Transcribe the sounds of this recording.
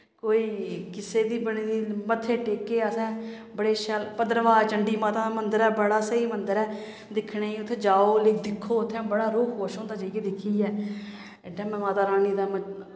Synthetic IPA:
koːiːkɪseːd̪iːbəɽiːd̪iːmət̪ʰːeːʈeːkːeːəsɛ̃ː | bəɽeːʃəlpəd̪əɾʋaːt͡ʃəɳɖiːmaːt̪aːmənd̪əɾɛːbəɽaːsəiːmənd̪əɾɛː | d̪ɪkʰɽeːiːʊt̪ʰːeːd͡ʒaːoːlɪkd̪ɪkʰːoːʊt̪ʰːẽːbəɽaːɾoːkʰɦoːʃõːnd̪aːd͡ʒaːkeːd̪ɪkʰːiːɛː | ʈɛːmɛ̃ːmaːt̪aːɾaːniːd̪aːmə

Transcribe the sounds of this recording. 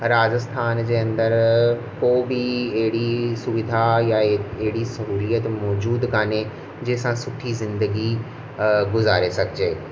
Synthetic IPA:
ɾaːd͡ʑəst̪ʰaːnd͡ʑeːɐ̃nd̪əɾ | koːbiɐɦɪɽisʊʋɪd̪ʱajaeɦɪɽisɐɦuːlijət̪mɔːd͡ʑuːd̪kaːne | d͡ʑeːsãsʊʈʰizɪ̃nd̪əɡi | ɡʊzaːɾesɐɡʱd͡ʑeː

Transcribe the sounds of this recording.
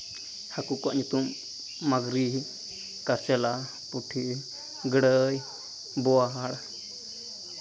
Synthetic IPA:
hakukua̰ʔɲut̪umː | aɡɾi | kaɾt͡ʃɛla | puʈʰi | ɡəɽəj | bɔaɦaɽa

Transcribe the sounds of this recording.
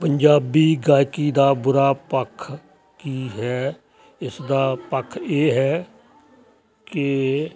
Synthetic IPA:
pəɲd͡ʒaːbiːɡaːjkiːd̪aːbʊɾaːpəkʰː | kiːɦɛː | ɪsd̪aːpəkʰːeːɦɛː | kɪ

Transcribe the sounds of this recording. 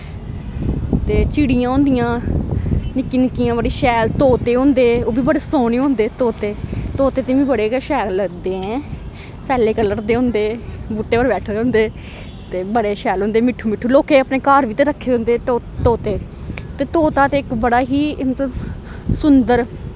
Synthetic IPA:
t̪eːt͡ʃiːɽɪjãːɦõːnd̪ɪjãː | nɪkːiːnɪkːijãːbəɽiːʃɛːlt̪oːt̪eːɦõːnd̪eːoːbiːbəɽeːsoːneːɦõːnd̪eːt̪oːt̪eːt̪oːt̪eːt̪ẽːʋiːbəɽeːkʃɛːlləɡd̪eːɛ̃ː | sɛːleːkəlːəɾd̪eːɦʊ̃ːnd̪eːbuːʈːeːʋəɾbɛːʈʰd̪eõːnd̪eː | t̪eːbəɽeːʃɛːlɦõːnd̪eːmɪʈʰːuːmɪʈʰːuːloːkeːəpneːkaːɾʋiːt̪ẽːɾəkʰːeːõːnd̪eː | t̪oːt̪eː | t̪eːt̪oːt̪aːt̪eːɪkbəɽaːɦiːmət̪ləbsʊnd̪əɾ

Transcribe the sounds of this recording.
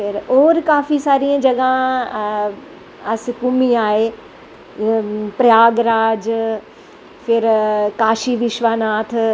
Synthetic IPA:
fɪɾoːɾkaːfisaːɾĩə̃d͡ʑɐɡã | ɐsɪkʊmiaːɦe | pɾjaːɡɾaːd͡ʑ | fɪɾkaːʃiʋɪʃʋaːnaːt̪ʰ

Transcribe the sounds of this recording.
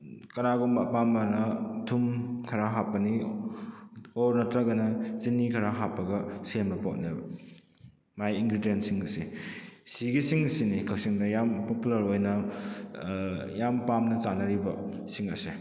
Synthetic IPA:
kɐnaɡumbɐpamɐnɐdʰumkʰɐɾaɦapːɐni | ɔɾnɐtɾɐɡɐnɐzinːikʰɐɾaɦapːɐɡɐsemɐpotnebɐ | majiŋɡɾidijentsiŋɐsisiɡisiŋɐsinikʰɐksiŋdɐjampopulɐɾojnɐ | jampamnɐt͡ʃanɐɾibɐ | siŋɐ̰si

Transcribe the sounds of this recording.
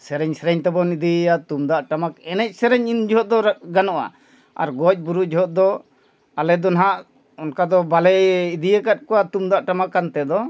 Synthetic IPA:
sɛɾɛɲsɛɾɛɲt̪ɛbɔnid̪iat̪umd̪aʔʈamakɛnɛc̚sɛɾɛɲind͡ʒɔɦɔt̪̚d̪ɔɾɡanɔʔa̰ | a̰ɾɡɔc̚ˀbuɾud͡ʒɔɦɔt̪̚d̪ɔ | alɛd̪ɔnaɦaʔ | ɔnkad̪ɔbalɛid̪ijəkat̪̚kɔwat̪umd̪aʔʈamakːant̪ɛd̪ɔ

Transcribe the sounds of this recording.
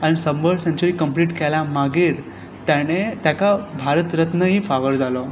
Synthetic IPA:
aɽ̃isəmbəɭsəɲt͡ɕuɾiːkəmpliːʈkɛlamaɡiːɾ | t̪jaɽ̃et̪jakabʱaɾət̪ɾət̪nəɦifaʋəɾd͡zalɔ

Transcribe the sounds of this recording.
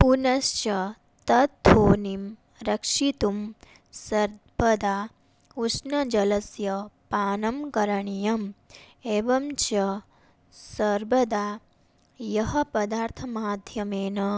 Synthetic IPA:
punɐst͡ʃɐ | t̪ɐt̪̚t̪ːoːnim | ɾɐkʂit̪um | sɐɾ | bɐd̪aː | usnɐd͡ʒɐlɐsjɐpaːnɐmkɐɾɐɳijɐm | eːʋɐmt͡ʃɐ | sɐɾbɐd̪aː | jɐɦɐpɐd̪aːɾt̪ʰɐmaːd̪ʱjɐmeːnɐ

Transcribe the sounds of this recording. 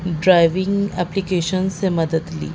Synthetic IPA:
ɖɾajʋĩŋɡɛplikeʃənsemɐd̪əd̪lḭː

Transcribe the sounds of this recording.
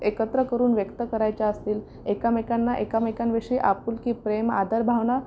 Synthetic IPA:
ekət̪ɾəkəɾuːnʋjəkt̪əkəɾajt͡ɕaəst̪iːl | ekamekanːaʔekamekanʋeʂiːʔapuːlkiːpɾemad̪ʱəɾbʱaʋna

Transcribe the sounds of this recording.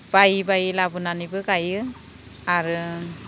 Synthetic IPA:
b̥ajbajlabɯnanibɯɡajɯ | aɾɯ

